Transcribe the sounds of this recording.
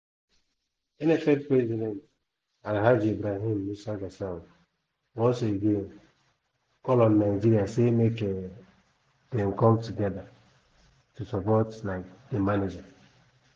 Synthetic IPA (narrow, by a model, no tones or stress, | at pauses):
enefɛd̚pɾɛzidɛnt | aɾɦad͡ʒebɾaɦĩmmisaɡasa | wɔ̃nsoeɡen | kɔlɔ̃nːaɪd͡ʒiɾiasemeke | dɛmkɔmtuɡɛda | tusɔpɔtlaɪk̚demaned͡ʒa